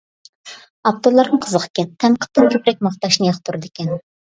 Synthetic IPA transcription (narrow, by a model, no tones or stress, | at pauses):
ɑp̚t̪ʰolˠɑɾnɨŋqʰəzəqʰə̥kʲɛnt̪ʰɛmqʰə̥t̪ːɨnt̪ʲʰypɾɛk̚ʲmɑχt̪ɑʃnɨjɑχt̪ʰuɾɨd̪ɪkʲɛn